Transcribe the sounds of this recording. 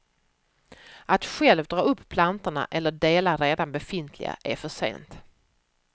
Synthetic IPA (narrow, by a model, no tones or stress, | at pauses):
ʔat̪ɧɛlvd̪ɾɑːɵpːpʰlant̪əɳa̰ʔɛlːəɖeːlaɾeːd̪anbɛfɪnt̪ʰlɪ̰ɡa̰ʔæɾfœʂḛːnt̪